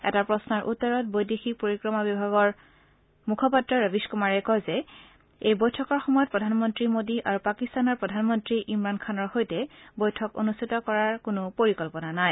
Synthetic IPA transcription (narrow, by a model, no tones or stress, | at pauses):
ɛ̰tapɹɔsnɔɹʔutːɔɹɔt̚bojdexik̚poɹikɹɔmabibʱaɡɔɹ | mukʰɔpatɹɔɹabiskumaɹɛkɔjzɛ | ejbojtʰɔkɔɹxɔmɔjɔt̚pɹɔdʱanmɔntɹimodiʔaɹupakistanɔɹpɹɔdʱanmɔntɹiʔimɹankʰanɔɹxojtɛbojtʰɔko̰nustʰitɔkɔɹaɹkʊnʊpoɹikɔlpɔnanaj